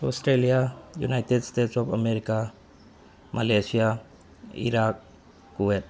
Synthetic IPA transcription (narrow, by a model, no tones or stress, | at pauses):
ɔstɾelijajṵnajtedstetsɔpʰɐmeɾika | malesija | ḭɾak̚ː | uwet̚